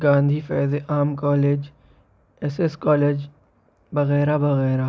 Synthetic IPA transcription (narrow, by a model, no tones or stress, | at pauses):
ɡãːnd̪ʱifɛːzeʔaːmkɔːleːd͡ʒ | ɛseskɔːleːd͡ʒ | bɐɣɛːɾabɐɣɛːɾa